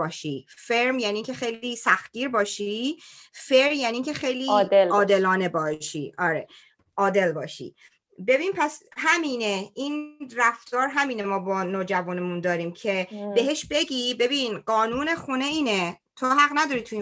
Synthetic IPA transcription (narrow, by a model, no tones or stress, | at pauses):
ɒːʃifeɾmjæniːŋcʲʰe̞xejliːsæxt̪̚ɡiːɾbɒːʃi | feɾɾmjæniːŋcʰexe̞jliɒːd̪e̞lɒːne̞bɒːʃiʔɒːɾe | ʔɒːd̪e̞lbɒːʃḭ | be̞biːnpʰæsɦæmiːneʔiːnræft̪ɒːɾɦæmiːnemɒːbɒːnoːd͡ʒævuːnemund̪ɒːɾiːmcʰe̞be̞ɦe̞ʃbe̞ɟiːbe̞biːnɢɒːnuːne̞xuneiːne | t̪ʰoɦæɣnæd̪ɒːɾiːt̪ʰui